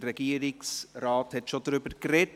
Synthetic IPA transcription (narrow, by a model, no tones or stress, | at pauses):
ɾɛɡ̥iəɾɪksrɑːthɛtʃodɾʏbəɾkrɛt